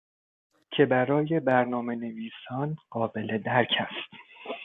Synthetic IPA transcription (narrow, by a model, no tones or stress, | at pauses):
cʰe̞bæɾɒːje̞bæɾnɒːme̞ne̞viːsɒːnɢ̥ɒːbe̞le̞d̪æɾcʰæst̪